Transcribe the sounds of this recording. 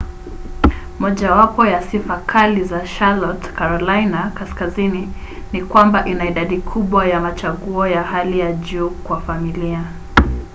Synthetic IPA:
mɔʄawapɔjasifakʰalizaʃalɔtkaɾɔlajnakaskazini | nikwambaʔinaiɗaɗikʰuɓwajamat͡ʃaɠuɔjahalijaʄuːkwafamilia

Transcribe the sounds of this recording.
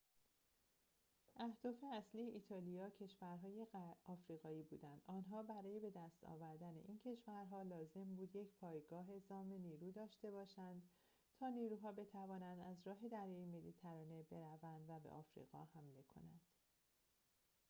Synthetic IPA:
ʔæhd̪̥ɒːfe̞æslijeʔit̪ʰɒːlijɒːcʰe̞ʃvæɾɦɒːje̞ɒːfɾiːɣɒːiːbuːd̪ænd̪̥ɒːnɦɒːbæɾɒːje̞be̞d̪æst̪ɒ̰ːvæɾd̪æne̞̰ʔiːncʰe̞ʃvæɾɦɒːlɒːze̞mbuːd̪je̞cʰpʰɒːjɡɒːɦe̞zɒːme̞niːɾuːd̪ɒːʃt̪e̞bɒːʃænd̪ | t̪ʰɒːniːɾuːɦɒːbe̞t̪ʰævɒːnænd̪æzɾɒːɦe̞d̪æɾjɒːjemelit̪ʰæɾɒːne̞be̞ɾævænd̪væbḛʔɒːfɾḭɣɒ̰ːhæmle̞kʰo̞̰nænd̪̥

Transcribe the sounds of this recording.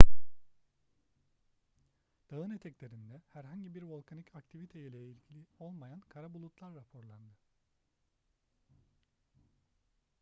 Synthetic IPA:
d̪̥aɯnet̪ʰɛclʲe̞ɾind̪ɛhæɾɦaɲɟibiɾvo̞lˠkʰanicʰakt̪ʰivit̪ʰejilʲɛilʲcʰilʲio̞lˠmajankʰaɾabulˠut̪lˠaɾːapʰo̞ɾlˠaɾd̪ɯ

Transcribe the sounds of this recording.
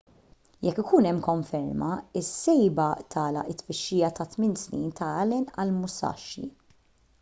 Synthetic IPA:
jɛkːɪkuːnɛmːkɔɱfɛɾmɐɪsːɛjbɐt̪ʰɐːlɐ̰ʔɪt̪ːfɪʃːɪjɐt̪ɐt̪mɪnsnḭːnt̪ʰɐɐlɛnɐ̰lmʊsɐ̰ʃːḭ

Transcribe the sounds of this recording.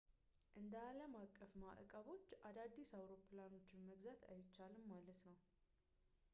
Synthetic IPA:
ʔɨnd̪əaləmakʼːəfma̰ʔkʼəβo̞t͡ʃːʔad̪ad̪ːisawɾo̞pʰlano̞t͡ʃːɪnməɡzat̪ʰa̰jɪt͡ʃːalɨmːalət̪nəw

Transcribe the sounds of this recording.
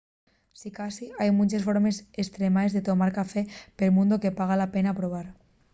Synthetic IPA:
sikasiajmunt͡ʃesfoɾmesest̪ɾemaezðet̪omaɾkafepelmũnd̪okepaɣ̞alapenapɾoβ̞aɾ

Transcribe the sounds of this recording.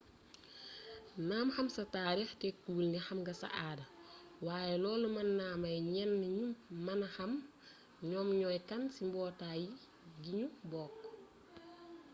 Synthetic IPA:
naːmxɐmsɐtaːɾixtɛkuːlnixɐmɡɐsɐ̰ʔaːdɐ | waːjɛlɔːlumɐnːaːmɐjɲɛnːɲummɐnɐxɐm | ɲɔːmɲɔːjkɐnsimbɔːtaːji | ɡiɲubɔːkː

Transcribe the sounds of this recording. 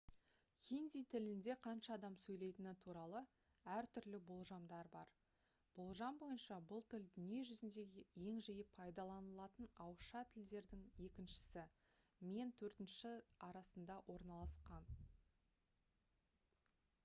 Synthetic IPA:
χʲind̪ijt̪ʰɪlɪnd̪e̞qʰɑnʃɑːd̪ɑmsɵjle̞jt̪ɪnɪt̪ʰuɾɑlˠə | æɾt̪ʰʏɾlɪbo̞lˠʒɑmd̪ɑɾbɑɾ | b̥o̞lˠʒɑmbo̞jənʃɑbʊlˠt̪ʰɪld̪ʏnije̞ʒʏzɪnd̪e̞ɡʲje̞ŋʒijɪppʰːɑjd̪ɑlˠɑnəlˠɑt̪ənɑwʃɑt̪ʰɪld̪e̞ɾd̪ɪŋje̞kʲɪnʃɪ̥sɪ | me̞nt̪ʰɵɾt̪ɪnʃɪɑɾɑsənd̪ɑwʔo̞ɾnɑlˠɑsqɑn

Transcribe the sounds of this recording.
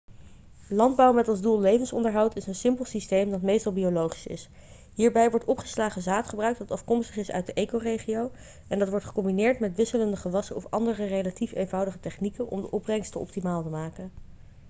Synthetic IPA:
lɑnd̚bɑwmɛtɑlˠzdulˠlejvənsɔ̰ndəɹɦɑwtɪsənsɪmpəlˠsistejmdɑtmejstɑlˠbiolowχi̥sɪ̰s | ɦiːɹbɛjʋɔɹtɔpχə̥slaːχəzaːtχəbrœɥk̚tdɑtɑfkɔmstəχɪsœ̰ɥt̚dəʔejkowrejχiow | ʔɛndɑtʋɔɹtχə̥kɔmbinɪːɹtmɛtʋɪsələndəχəʋɑsəɔfɑndərərejlatifejnvɑwdəχətɛχnikənʔɔ̰mdəʔɔprɛŋstəɔ̰p̚timaːlˠtəmaːkən

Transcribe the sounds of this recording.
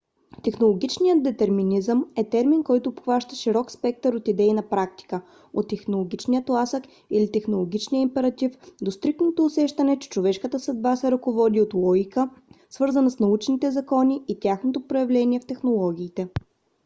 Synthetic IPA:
t̪ɛxnolˠoɡ̟ʲit͡ʃnijəd̪̚d̪ɛt̪ɛɾminizəmɛt̪ɛɾminkɔjt̪oːpxvaʃt̪əʃiɾɔkspɛk̚t̪əɾot̪id̪ɛinɐpɾak̚t̪i̥kə | ot̪ːɛxnolˠoɡ̟ʲit͡ʃnijət̪lˠasək | ilit̪ɛxnolˠoɡʲit͡ʃniəimpɛɾɐt̪ifd̪ost̪ɾik̚t̪not̪oːsɛʃt̪ɐnɛt͡ʃɛ̥t͡ʃovɛʃkət̪əsɐd̪̚basɛɾɐkovɔd̪iot̪lˠɔɡʲikəsvɤɾzənsnɐut͡ʃnit̪ɛzɐkɔnʲiːt̪ʲaxnot̪opɾojɛvlɛniɛft̪ɛxnolˠɔɡʲiːt̪ɛ

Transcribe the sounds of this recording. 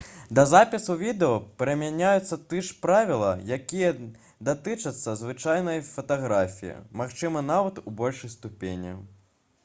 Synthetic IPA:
d̪ɐzapʲisuvʲid̪ɛɔpʲɛɾɐmʲanʲajut̪sːɐt̪ɨʂpɾavʲilˠɐ̰jakʲijɐ | d̪at̪ɨt͡ʂɐt̪sːɐzvɨt͡ʂajnɐjfɐt̪aɣɾafʲijḭmaxt͡ʂɨmɐnavɐt̪ubɔlʲʂɐjst̪upʲenʲɐ̰

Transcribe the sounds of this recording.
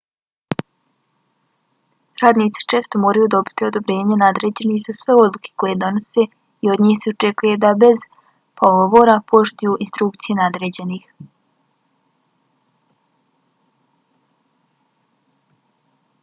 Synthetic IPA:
ɾaːd̪niːt̪si̥t͡ʃe̞ːst̪o̞moːɾajud̪o̞bi̥t̪iod̪o̞bɾe̞ːɲenad̪ɾe̞ːd͡ʑe̞niːxzasʋe̞o̞d̪lukʰe̥ko̞je̞d̪o̞no̞se̞ | io̞d̪ɲiːxseut͡ʃe̞kuje̞d̪abe̞z̥ | poɡoʋo̞ːɾapo̞ʃt̪ujuːinst̪ɾukt̪sije̞nad̪ɾe̞ːd͡ʑe̞niːx

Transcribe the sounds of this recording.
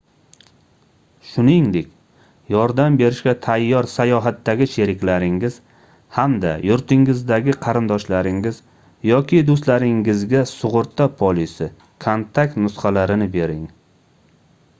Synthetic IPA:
ʃʊnɪŋd̪e̞kʲ | jɒɾd̪ambe̞ɾɪʃkʲat̪ʰajːɒɾsajɒɦat̪ːaɡʲɪʃe̞ɾɪkʲlaɾɪŋɪz̥ | hamd̪a̰jʊɾt̪ʰɪŋɪzd̪aɡʲɪqʰɑɾɪnd̪ɒʃlaɾɪŋɪz | jɒkʲɪd̪ost̪laɾɪŋɪzɡʲasʊʁʊɾt̪ʰːapʰolisɪ | kʰont̪ʰakt̪nʊsχɑlaɾɪnɪbe̞ɾɪŋ

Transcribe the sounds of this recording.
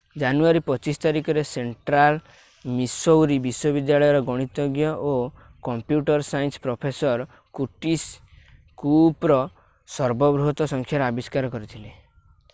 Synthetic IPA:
d͡ʒanuaɾipɔt͡ʃisɔ̥t̪aɾikɔɾeseɳʈɾal | misowɾibiswɔbid̪jaɭɔjɔɾɔɡɔɽ̃it̪ɔɡjɔʔo | kɔmpjuʈɔɾsajnspɾɔpʰesɔɾ | kuʈis | kupɾɔ | sɔɾbɔbɾuɦɔt̪ɔsɔŋkʰjaɾabiskaɾɔkɔɾit̪ʰile

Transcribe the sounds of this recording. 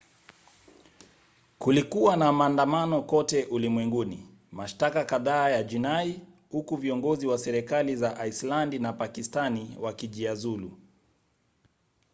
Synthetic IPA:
kulikuwanamaːndamanɔkɔtɛʔulimwɛŋɡunḭ | maʃtakakaðaːjad͡ʒinai | hukuviɔŋɡɔziwasɛɾɛkalizaʔaislandinapakistaniwakiʄiazulṵ

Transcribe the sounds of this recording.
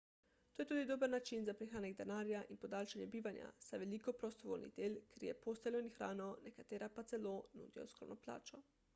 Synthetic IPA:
t̪oːjet̪uːd̪id̪obəɾnat͡ʃinzapɾixaːneɡd̪anaːɾjaʔinpod̪aːlʃanjɛbiːʋanja̰sajʋelikopɾost̪oʋo̰lnḭd̪eːlkeɾjɛpost̪elʲoinixɾaːnɔnɛkat̪eːɾapat̪seloːnṵːd̪ijo̰skɾo̰wnɔpla̰ːt͡ʃɔ

